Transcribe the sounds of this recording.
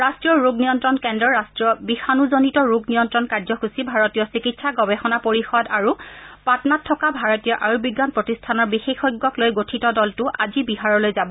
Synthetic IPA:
ɹastɹijɔɹuɡnijɔntɹɔnkɛndɹɔɹastɹiɔbixanuzonitɔɹuɡnijɔntɹɔnkaɹzɔxusibʱaɹɔtijɔsikitsaɡɔbɛxɔnapoɹixɔdaɹupatnatʰːɔkabʱaɹɔtijɔʔaɹubiɡːanpɹɔtistʰanɔɹbixexɔjɡːɔklojɡotʰitɔdɔltʊʔazibiɦaɹɔlojzabɔ

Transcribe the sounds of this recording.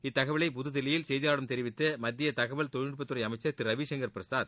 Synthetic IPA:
ɪt̪ːɐɣɐʋɐɭɐɪpʊðɯðɪlɐjɪlsɛjðijaːɽɯmt̪ɛɾɪʋɪt̪ːɯmɐd̪ːɪjɐt̪ɐɣɐʋɐɭt̪ɔnɪɽpːɐt̪ːɯɾɐɪɐmɐɪt͡ʃːɐɾt̪ɪɾɐʋiːʂɛŋɡɐɾpɪɾɐsaːð

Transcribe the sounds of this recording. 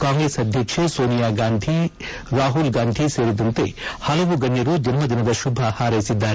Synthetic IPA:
kaːŋɡɾeːsɐd̪ʱjɐkʂesoːnijaːɡaːnd̪ʱi | ɾaːɦulɡaːnd̪ʱiseːɾid̪ɐnt̪ḛːhɐlɐʋuɡɐnjɐɾud͡ʒ̪ʱinmɐd̪inɐd̪ɐʃubʱɐhaːɾeːsid̪ːaːɾu

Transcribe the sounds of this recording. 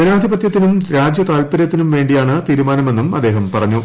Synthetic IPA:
d͡ʑɐnaːd̪ʱibɐt̪jɐt̪ːinumɾaːd͡ʑjɐt̪aːlpɐɾjɐt̪ːinumʋe̞ːɳɖijaːɳɨt̪iːɾumaːnɐme̞nːumɐ̰d̪ːe̞ːɦɐmpɐrɐɲːu

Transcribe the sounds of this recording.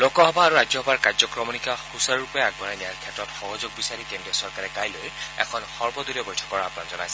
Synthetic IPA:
lokɔɦɔbaːɹuɹazjɔhɔbaɹkaɹzɔkɹɔmɔnikaxusaɹɹupɔɛɛk̚bɔnajnijaɹkʰɛtɹɔtxɔɦɔzʊɡ̚bisaɹikendiɔsɔɹkaɹɛkajlojɛ̰kʰɔnxɔɹbɔd̪uliɔɡojtʰɔ̥kɔɹaːpunakzɔnajsɛ

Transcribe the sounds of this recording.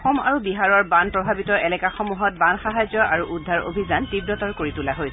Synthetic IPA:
xɔma̰ɹubiɦaɹɔɹbanpɹɔbʱabitɔɛlɛkaxɔmuɦɔt̚banxaɦazjɔʔaɹuʔudʱaɹo̰bʱizantib̚dɔtɔɹkoɹitulaɦojs

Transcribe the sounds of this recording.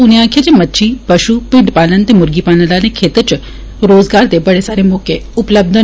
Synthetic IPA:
ʊniãːkʰjad͡ʒemət̪ːʃʰiːpəʃupɪ̃ɳɖpaːlənt̪emʊɾɡipaːləlanekʰeːt̪ət͡ʃ | ɾoːzɡaːɾd̪ebɐɽesaːɾemɔːkeʊpləb̚d̪ʱə

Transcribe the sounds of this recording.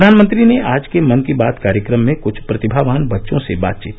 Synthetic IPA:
d̪ʱaːnmə̃nt̪ɾineaːd͡ʒkemɐnkibaːd̪kaːɾjəkɾəmːẽkʊt͡ʃʰpɾɐt̪ɪbʱaːʋaːnbɐtːʃõseba̰ːt̪̚t͡ʃiːt̪

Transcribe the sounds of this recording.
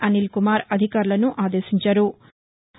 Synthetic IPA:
ʔɐnilkumaːɾɐd̪ʱikaːɾulɐnuʔaːd̪eːʃiɲt͡ʃɐɾu

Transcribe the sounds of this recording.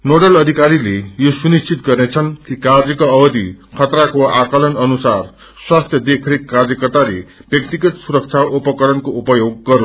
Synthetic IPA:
noɽʌlʌd̪ʱikaɾilejosunist͡sit̪ɡʌrnet͡sʰʌnkikard͡zʌkʌʌbʌd̪ikʰʌt̪rakoakʌlʌnʌnusar | swast̪ʰjʌd̪ekʰɾekːard͡zjʌkʌrt̪aɾebjʌk̚t̪iɡʌt̪suɾʌk̚t͡sʰaʔupʌkʌɾʌnkoupʌjoɡːʌɾu

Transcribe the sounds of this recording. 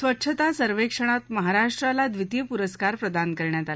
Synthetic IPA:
sʋətːʂʰət̪asəɾʋekʂəɽ̃at̪məɦaɾaʂʈɾalad̪ʋit̪jəpuɾəskaɾpɾəd̪ankəɾɳjat̪al

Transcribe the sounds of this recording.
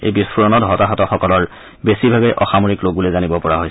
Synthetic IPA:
ḛjbispʰuɹɔnɔtɦɔtaɦɔtɔxɔkɔlɔɹ | besibʱabɛʔɔxamoɹikloɡ̚bulezanibɔpɔɹaɦojsɛ

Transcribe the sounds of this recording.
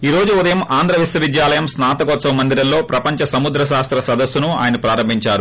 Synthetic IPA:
iːɾo̞ːd͡ʒuud̪ɐjɐmaːnd̪ʱɾɐʋisɐʋid̪jaːlɐjɐmsnaːt̪ɐɡɔːt̪sɐmɐmɐnd̪iɾɐnlo̞ːpɾɐpɐɲt͡ʃɐsɐmud̪ɾɐʃaːst̪ɾɐsɐd̪ɐsːunua̰ːjɐnɐpɾaːɾɐmbʱiɲt͡ʃaːɾu

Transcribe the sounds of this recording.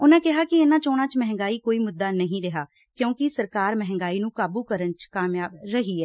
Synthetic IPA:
ʊnãːkɪɦaːkɪeːnãːt͡ʃoːɽ̃ãːt͡ʃmɛɦŋ̆ɡaːiːkoːiːmʊd̪ːaːnəɦĩːɾɛɦaː | kjõːkɪsəɾkaːɾmɛɦɛ̃ŋ̆ɡaːiːnũːkaːbuːkəɾənt͡ʃkaːmjaːbɾəɦiːɛː

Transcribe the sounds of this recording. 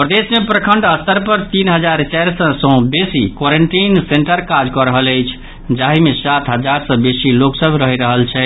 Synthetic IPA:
pɾəd̪esmepɾəkʰəɳɖəst̪əɾpəɾt̪inɦəd͡ʒaɾt͡ʃaɾsə̃sə̃besikwɔɾeɳʈinseɳʈəɾkad͡ʒkɔɾəɦələjt͡ʃʰ | d͡ʒaɦimesat̪ʰɦəd͡ʒaɾsə̃besiloksəbʱɾəɦiɾəɦəlt͡ʃʰɛ

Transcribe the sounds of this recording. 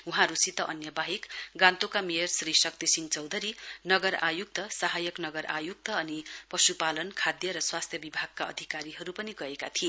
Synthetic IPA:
uɦãɾusit̪ʌʔʌnjʌbaɦikɡãnt̪okamijʌrsrisʌk̚t̪esiŋt͡sʌwd̪ʱʌɾinʌɡʌɾa̰juk̚t̪ʌsʌɦajʌknʌɡʌɾʔa̰juk̚t̪ʌʌnipʌsupalʌnkʰad̪jʌɾʌswast̪ʰjʌbibʱaɡ̚kaʌ̰d̪ʱikaɾiɦʌɾupʌniɡʌekat̪ʰie

